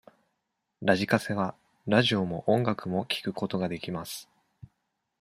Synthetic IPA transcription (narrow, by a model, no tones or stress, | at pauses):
ɾaʑikase̞βa | ɾaʑio̞mo̞ʔõ̞ŋɡakɯ̟mo̞kʲi̥kɯ̟ko̞t̪o̞ɡad̪e̞kʲimasɨ̥